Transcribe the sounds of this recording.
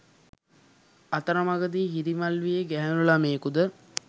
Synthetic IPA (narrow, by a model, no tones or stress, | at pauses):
at̪əɾəmaɡəd̪iɦiɾimalʋijeɡæɦæɾulameːkud̪ə